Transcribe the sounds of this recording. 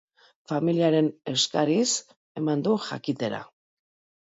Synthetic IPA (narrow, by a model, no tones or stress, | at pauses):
familiaɾe̞ne̞skaɾis | e̞mand̪uʝa̰kit̪e̞ɾa̰